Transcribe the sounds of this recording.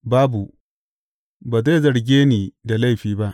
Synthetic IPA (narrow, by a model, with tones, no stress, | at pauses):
baː˦bu˨ | baː˨za˦˨zɐ˨ɽɡʲeː˦niː˨da˨la˦jɸiː˨ba˦ʔ